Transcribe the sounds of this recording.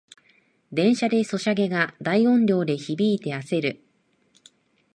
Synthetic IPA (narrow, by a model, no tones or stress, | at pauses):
d̪ẽ̞ɰ̃ɕad̪e̞so̞ɕaɡe̞ɡad̪aiõ̞ɲɾʲo̞ːd̪e̞çibʲiːt̪e̞ase̞ɾɯ̟